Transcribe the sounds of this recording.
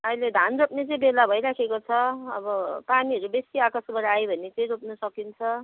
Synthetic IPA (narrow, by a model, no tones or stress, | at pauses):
ʌjled̪ʱanɾopnet͡sʌĩbelabʱʌjɾakʰekot͡sʰʌʌ̰bʌpaniʌɾubesiakʌsbʌɾajbʱʌnet͡sʌjɾopnʌsʌkint͡sʰʌ